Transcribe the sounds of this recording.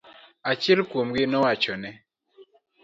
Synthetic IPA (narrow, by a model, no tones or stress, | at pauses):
at͡ʃilkomɡɪnɔwat͡ʃɔnɛ